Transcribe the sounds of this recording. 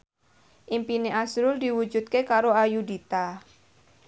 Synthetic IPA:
ʔimpineʔasɾʊld̪i̤wu̥d͡ʒṳt̪̚kekaɾoajudit̪a

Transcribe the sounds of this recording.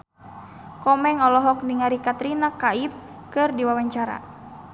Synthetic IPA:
kɔmɛŋɔlɔɦɔk̚niŋaɾikat̪ɾinakaip̚ | kɨrdiwawaɲt͡ʃaɾa̰

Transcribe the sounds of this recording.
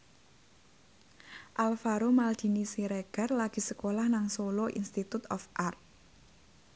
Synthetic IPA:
ʔalfaɾomald̪̥i̤nisiɾeɡ̥a̤rlaɡ̥i̤səkolahnaŋsoloʔḭnst̪it̪ut̪ɔfʔart̪̚

